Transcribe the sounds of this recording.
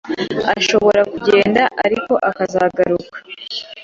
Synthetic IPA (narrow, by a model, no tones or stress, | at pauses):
aʃo̞βo̞ɾakuɟe̞ːndaʔaɾiko̞ʔakazaːɡaɾukḁ